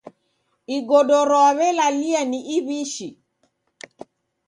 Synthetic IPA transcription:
iɡɔdɔɾɔaβɛlalianiʔiβiʃi

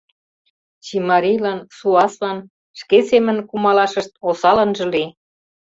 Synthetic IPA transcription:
t͡ɕimɑɾijlɑnsuɑslɑn | ʃkesemə̆nkumɑlɑʃəʃt̪̚osɑlə̆nʒɤ̆li

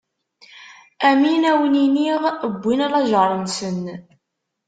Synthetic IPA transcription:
æminæwəniniʁəbʷːinælˤɑʒəɾˤənsən

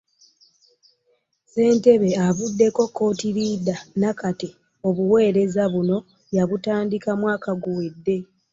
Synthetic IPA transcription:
se̞ːnte̞βe̞aβudːe̞ko̞kːo̞ːtiɾid̪anakate | o̞βuwe̞ːɾe̞zaβuno̞ | jaβutaːndikamwaːkaɡuwedːe̞

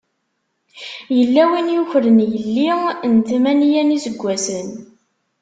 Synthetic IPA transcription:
jəlːæwinjuçɾənjəlːint̪mænijænizəɡʷːæsən

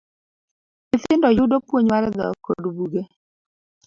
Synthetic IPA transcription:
ɪθɪndɔjʊdopwoɲmaɾɛd̪ɔ̰ko̰dbuɡe

